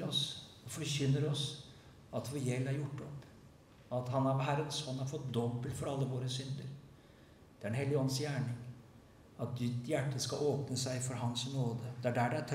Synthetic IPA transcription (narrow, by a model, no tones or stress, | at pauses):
ɾɔs | ɔfɔɾçʏnːəɾɔs | ɑt̪ʋɔɾjɛlːæɾjʊʈːɔpː | ɑt̪ɦɑnɑɾɦæɾənɔsɔhɑnhɑɾfɔt̪̚d̪ɔbːəlt̪fɔɾɑlːəʋoːɾəsʏnd̪əɾ | d̪̥ɛæɾɖɛnhɛlːɪəɔnːsjæːɳɪŋ | ɑt̪̚d̪ɪt̪jæʈːəskɑʔoːpnəsæɪfɔɾɦɑnsnoːd̪əd̪ɛæɖæɖɛæʈʰ